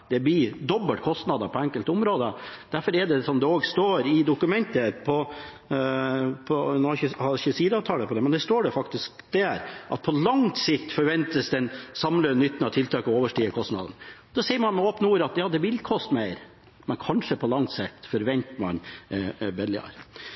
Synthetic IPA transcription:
d̪̥ɛb̪ɪd̪ɔbːəlt̪kʰɔst̪nɑd̪əpʰɔɛŋkəlt̪ʊmɾoːd̪əd̪̥æɾfɔɾɛɖɛsɔmd̪ɛoːɡst̪oːɾɪd̪ʊkʉmɛnt̪əpʰɔ | pʰɔnɔçəhɑʃəsiːd̪əɑːʋt̪ʰɑːləpʰɔd̪ɛmɛnd̪æʂt̪oːɖɛfɑkt̪ɪsk̚d̪ɛɾʔɑ̰t̪̚pʰɔlɑŋt̪sɪkt̪fɔɾʋɛnt̪əsd̪ɛnsɑmlønʏt̪ːnɑt̪ʰɪlt̪ʰɑːkɔoːʋəʂʈiːəkʰɔst̪nɑ̰d̪ənd̪ɔsɛɪəɾmɑnmɛoːpnəuːɾɑt̪jɑːd̪ɛbʋɪlkʰɔst̪mæɪɾ | mɛnkʰɑnʂəpʰɔlɑŋt̪sɛkt̪fɔɾʋɛnt̪mɑ̰n | bɛlːɪɑ̰ɾ

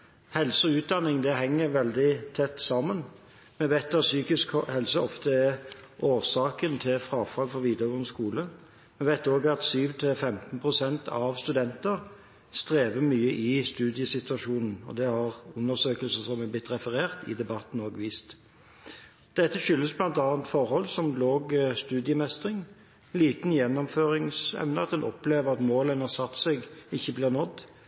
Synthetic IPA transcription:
hɛlsəʉːt̪̚d̪ɑnːɪŋd̪ɛɦɛŋːəɾʋɛld̪ɪt̪ʰɛt̪ːsɑːmən | mɛʋɛɪt̪ːæsyːkɪskhɛlsəɔft̪əɛʔoːʁsɑːkənt̪ʰɪlfɾɑːfɑlfɔɾʋiːd̪əʋənskuːlə | mɛʋæɪt̪oːɡɑt̪syːʋt̪ʰɪlfɛmt̪npʰʁʊsɛnt̪ʰɑʋst̪ʉd̪ɛnt̪əʁ | st̪ʁeːʋəmyːəʔɪst̪ʉːd̪ɪəsɪt̪ʉɑʃuːnn̩ɔ̰d̪ɛhɑʁʉnːəsøːkəlsəsɔmɛblɪt̪ːɾɛfəʁeːʁt̪ɪ̰d̪ɛbɑt̪n̩oːɡʋiːst̪ | d̪̥ɛt̪ːəçʏlːəsblɑnt̪ɑːnt̪fɔʁhɔlsɔmloːɡst̪ʉːd̪ɪəmɛst̪ʁɪŋ | liːt̪n̩jɛnːɔmføːɾɪŋsɛ̰ʋnəɑt̪d̪ɛnʔɔpleːʋəʁɑt̪moːlənhɑʁsɑt̪ːsɛɡɪçːəbliːʁnɔt̪ː

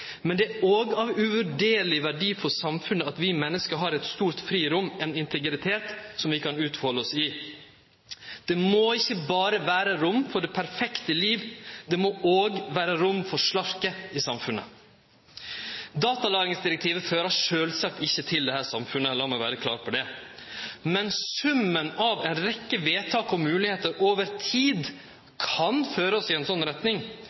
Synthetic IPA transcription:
mɛnd̪ɛoːɡɑʋʉʋʉɖeːɾlɪʋæɖiːfɔsɑmfʉnəɑt̪ʋɪmɛnːəskəɦɑɾɛt̪st̪uːɾt̪fɾiːɾʊmːɛnɪnt̪ʰəɡɾɪt̪ʰeːt̪sɔmʋɪkʰɑnʉːt̪fɔləɔsɪ | d̪̥ɛmoɪçːəbɑːɾəʋæːɾəɾʊmfɔɖɛpʰæɾfɛkt̪əliːʋd̪ɛmoʔoːɡʋæːɾəɾʊmfɔɾʂlɑɾkəɪsɑmfʉnːə̰ | d̪ɑːt̪ɑlɑːɾɪŋsd̪ɪɾɛk̚t̪ʰiːʋəføːɾɑʂøːlsɑk̚t̪ɪçːət̪ʰɪld̪ɛhæːɾsɑmfʉnəɛlːɑːmɔʋæːɾəkʰlɑ̰ːɾpʰɔɖ̪ɛ | mɛnsʉmːənɑʋɛɪnɾɛkːəʋeːt̪ʰɑːkɔmmʉːlɪheːt̪əɾʔoːʋəɾt̪ʰiːd̪ | kʰɑnføːɾəɔsɪɛnsɔnːɾɛt̪nɪŋ

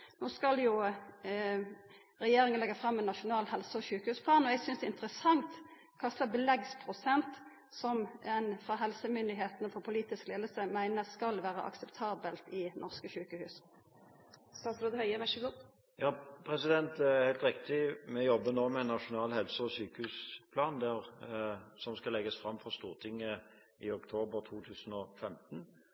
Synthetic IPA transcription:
noːskɑljʊ | ɾɛjeːɾɪŋənlɛɡɑfɾɑmːɛnːɑʂʊnɑːlɦɛlsəɔʃʉːkəhʉːspʰlɑːnɔɛɡsʏnsd̪ɛɪnt̪əɾəsɑŋt̪ | kʰɑst̪ɑbəlɛɡspʰɾʊsɛnt̪ | sɔmɛnfɾɑɦɛlsəmʏnd̪ɪɦeːt̪nəfɔpʰʊliːt̪ɪskleːd̪əlsəmæɪnəskɑlʋæːɾə̰ʔɑ̰ksɛpt̪ʰɑːbəlt̪ɪnʔɔʁskəçʉːkəhʉːs | st̪ɑːt̪sɾoːd̪əhœʏəʋæʃʉɡɔ | jɑːpʰɾɛsɪd̪ɛnt̪hæɪlt̪ɾɪk̚t̪ɪmɛjɔbːənoːmɛnːɑʂʊnɑːlhɛlsəɔsyːkəhʉːspʰlɑːnd̪æʁ | sɔmskɑlɛɡəsfɾɑmfɔʁst̪uːʁt̪ʰɪŋːə | ɪʊkt̪ʰoːbəɾt̪ʰuːt̪ʰʉːsnɔfɛmt̪n

